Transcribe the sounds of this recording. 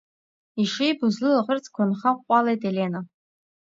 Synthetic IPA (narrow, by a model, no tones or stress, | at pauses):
iʂijbʊzlɨlaʁərt͡sʰkʷʰʊnχaqʷʼɑlejtʼelena